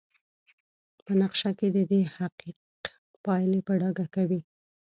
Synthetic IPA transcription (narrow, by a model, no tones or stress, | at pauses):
pənaqʃaked̪əd̪ehaqiq̪ | pɑjlepəɖɑɡakawi